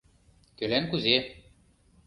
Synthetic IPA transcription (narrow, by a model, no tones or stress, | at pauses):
k̪ølænkuze